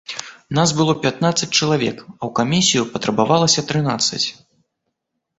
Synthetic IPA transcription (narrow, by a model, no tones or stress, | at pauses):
nasbɨlˠɔpʲat̪nat̪sɐt͡s̚ʲt͡ʃɐlˠavʲɛkɐwkamʲisʲijupɐt̪ɾɐbavalˠɐsʲɐt̪ɾɨnat̪sːɐ̰t͡sʲ